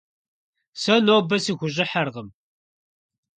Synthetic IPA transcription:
sænæbæsiʝʷʒəħəɾʁəm

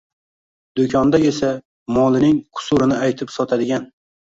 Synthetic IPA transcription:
d̪okʰʲɒnd̪ae̞sa | mɒlˠɪnɪŋqʰʊ̥sʊɾɪnɪajt̪ʰɪpsɒt̪ʰad̪ɪɡʲan

